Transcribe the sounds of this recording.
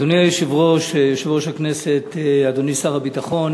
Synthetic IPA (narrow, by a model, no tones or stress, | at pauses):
doniajoʃivʁoʃjoʃivʁoʃhakneset̪ad̪onisaʁhabitaχo̞n